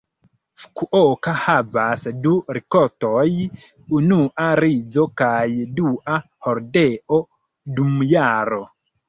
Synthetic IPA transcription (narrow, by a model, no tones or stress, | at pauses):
fu̥kuʔɔkahavasduɾikɔɾtɔj | unuʔaɾid͡zɔkajduʔa | hoɾdeʔɔ | dumjaɾo